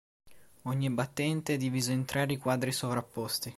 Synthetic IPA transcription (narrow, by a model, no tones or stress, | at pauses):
oɲːibat̪ːɛnt̪eɛd̪iviːzoint̪ɾaːɾikwaːd̪ɾisovɾapːɔst̪i